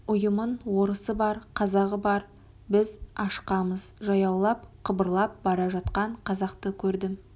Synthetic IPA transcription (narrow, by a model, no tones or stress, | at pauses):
ʊjəmənwo̞ɾəsəbɑɾqʰɑzɑʁəbɑɾ | bɪzɑʃqɑməz̥ʒɑjɑwlˠɑp̚qʰəbəɾlˠɑp̚bɑɾɑʒɑt̪qɑɴqʰɑzɑqt̪əkʲʰɵɾd̪ɪm